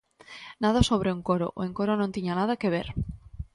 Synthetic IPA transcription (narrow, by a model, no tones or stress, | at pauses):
naðasoβ̞ɾeuŋkoɾo̰ʔeŋkoɾonont̪iɲanað̞ake̞β̞e̞ɾ